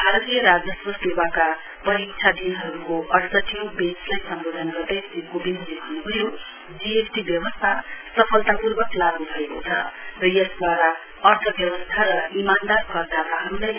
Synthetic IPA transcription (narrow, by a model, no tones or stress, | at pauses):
bʱaɾʌt̪ijʌɾad͡zʌswʌsebaka | pʌɾikt͡sʰad̪inɦʌɾukoʔʌrtʌʈʰijõbet͡slajsʌmbod̪ʱʌnɡʌrd̪ʌjiɡobind̪lebʱʌnːubʱʌjo | d͡ziesʈibjʌbʌst̪ʰasʌpʰʌlt̪apurbʌklaɡnubʱʌekot͡sʰʌ̰rʌjʌsd̪waɾa | ʌrt̪ʰʌbjʌbʌst̪ʰaɾʌimand̪arkʌrd̪at̪aɦʌɾulaj